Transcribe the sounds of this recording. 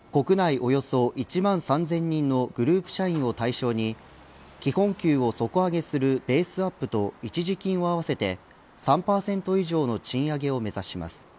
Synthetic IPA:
ko̞kɯ̟naiʔo̞jo̞so̞ʔit͡ɕimãɰ̃sãnzẽ̞ɲ̟ːĩnːo̞ɡ̥ɯ̟ɾɯ̟ːpɯ̟̥ɕaĩɰ̃o̞t̪aiɕo̞ːɲ̟i | kʲihõ̞ŋkʲɨːo̞so̞koaɡe̞sɨɾɯ̟be̞ːsɨapːɯ̟t̪o̞it͡ɕiʑikʲĩɰ̃o̞aβase̞t̪e̞ | sãmpaːsẽ̞nt̪o̞iʑo̞ːno̞t͡ɕĩɰ̃aɡe̞o̞me̞zaɕima̰sɨ̥

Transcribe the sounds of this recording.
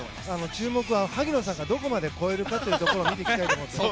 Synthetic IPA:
ano̞t͡ɕɨːmo̞kɯ̟βanohaɡʲino̞sãŋɡad̪o̞ko̞mad̪e̞ko̞eɾɯ̟kat̪oiɯt̟t̪oko̞ɾomʲit̪eikit̪ait̪omot̪ːe

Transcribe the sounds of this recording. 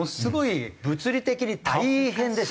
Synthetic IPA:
osɨɡo̞ibɯ̟t͡sɨɾʲit̪e̞kʲiɲ̟it̪aiɦẽ̞nd̪e

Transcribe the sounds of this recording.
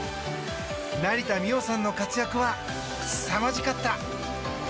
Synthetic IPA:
naɾʲit̪amʲio̞sãnːo̞kat͡sɨjakɯ̟βa | samaʑikat̪ːa

